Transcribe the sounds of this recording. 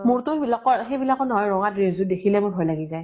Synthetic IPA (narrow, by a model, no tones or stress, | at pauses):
mʊɹtʊbilakɔɹxejbilakɔnɔɦɔjɹɔŋatɹezʊtdekʰilɛmʊɹbʱɔjlaɡizaj